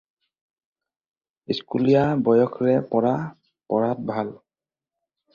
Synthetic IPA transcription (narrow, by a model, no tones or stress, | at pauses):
iskulijabɔjɔkʰɹɛpɔɹa | pɔɹat̚bʱal